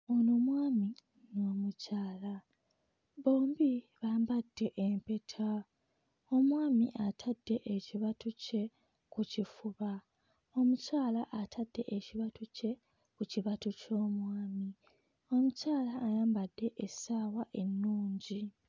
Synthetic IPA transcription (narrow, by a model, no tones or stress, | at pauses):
onomwaːmi | noːmucaːla | βo̞ːmbi | βaːmbadːe̞ʔempe̞tʰa | o̞mwaːmiʔatʰadːe̞ʔeciβatuce̞ | kucifuβa | o̞mucaːlaʔatʰad̥ːe̞̰ʔeciβatuce̞ | kuciβatuco̞ːmwaːmi | o̞mucaːlaːjaːmbadːe̞ʔesaːwaʔe̞nːuːɲɟi